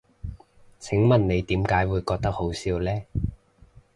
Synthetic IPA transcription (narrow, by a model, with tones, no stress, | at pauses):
t͡sʰɪ˨˥ŋmɐ˨˩nne˨˧jt̪iː˨˥mkaː˨˥jwuː˨˧jkɔː˧k̚t̪ɐ˥k̚ho˨˥wsiː˨˧wlɛː˥